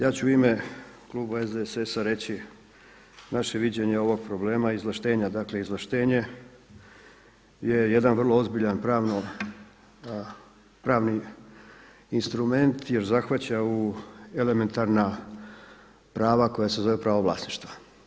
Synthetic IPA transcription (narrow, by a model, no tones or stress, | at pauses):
jaːt͡ɕuime | klˠuːbaezd̪esesaɾe̞t͡ɕi | naʃe̞ʋid͡ʑe̞ɲeo̞ʋo̞ɡ̚pɾo̞ble̞ːmaizlˠaʃt̪e̞ːɲad̪akle̞izlaʃt̪e̞ːɲe̞ | je̞je̞d̪anʋər̩lˠo̞o̞zbiʎanpɾaːʋno | pɾaːʋni | inst̪ɾume̞nt̪je̞ɾzaxʋat͡ɕaue̞le̞me̞nt̪aɾna | pɾaːʋako̞jase̞zo̞ʋepɾaʋoʋlasniʃt̪ʋa